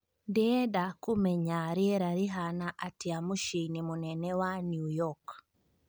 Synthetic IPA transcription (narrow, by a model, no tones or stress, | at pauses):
ndiɛdakumɛɲaɾiɛɾaɾiɦanaʔatiamuʃinimunɛnɛwanjujɔk